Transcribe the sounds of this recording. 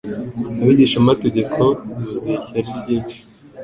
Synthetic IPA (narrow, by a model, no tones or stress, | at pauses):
aβiːɟiːʃamateɟe̞kʰo̞nuziçaɾiɾɟiːnt͡ʃi̥